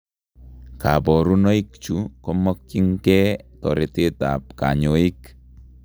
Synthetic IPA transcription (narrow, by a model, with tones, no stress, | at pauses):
ka˨bɔ˨ɾu˦no˦ik̚t͡ʃu˦kɔ˦mɔ˦k̚t͡ʃi˦ŋkɛ˦tɔ̰˨ɾi˨ti˦ta̰˨p̚ka̰˨ɲo˨i˦k